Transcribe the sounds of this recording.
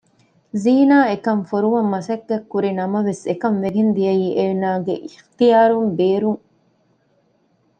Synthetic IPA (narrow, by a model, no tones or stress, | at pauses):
ziːnaːekɐmfoɾuʋɐmːɐsɐkːɐkːuɾinɐmɐʋesekɐmʋeɡend̪ijɐjiːʔeːnaːɡḛʔixt̪ijaːɾumbeːɾuŋ